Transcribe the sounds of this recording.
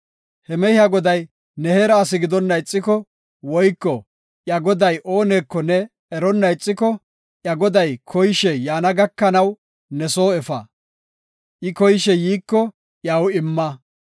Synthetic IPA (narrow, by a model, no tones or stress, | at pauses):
hɛmɛhɪɐɡɔd̪ɐj | nɛheɾɐːsɪɡɪd̪ɔnːɐjt͡sʼːɪkɔ | wɔjkːɔ | ʔjɐɡɔd̪ɐjʔoːne̞ːkːɔnɛ | ɛɾɔnːɐjt͡sʼːɪkɔ | ʔjɐɡɔd̪ɐjkʰɔjʃɛjaːnɐɡɐkːɐnɐw | nɛso̞ːɛfɐ | ʔɪkɔjʃɛjiːkːɔ | ʔjawɪmːɐ